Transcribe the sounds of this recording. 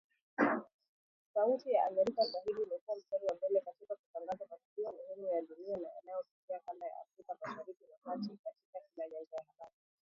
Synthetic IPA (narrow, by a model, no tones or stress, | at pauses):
sautijaʔaɡɛɾikasaɦiɾiːmɛkuwanitɔɾiwambɛlɛkatikakutaŋɡazamatukiamuhɛmujaɗuniana̰ja̰najɔpikiakandaja̰a̰fɾikamaʃaɾikimakatikatikakilaʄaɡajahaɓaɾi